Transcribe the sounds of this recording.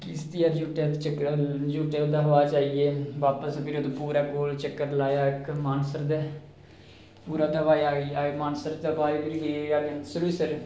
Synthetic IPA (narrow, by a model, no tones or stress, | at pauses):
kɪst̪iaːɾd͡ʒuːʈet̪t͡ʃəkːɾd͡ʒuːʈeːd̪aːɦoːaːt͡ʃaːieːʋaːpəspɪɾoːd̪opuːɾaːkoːlt͡ʃəkːəɾlaːjaːɪkmaːnsəɾd̪ɛː | puːɾãːt̪əʋaːiaːɡiːamaːnsəɾt̪əbaːibɪɾiɡeaːɡesəluːsəɾ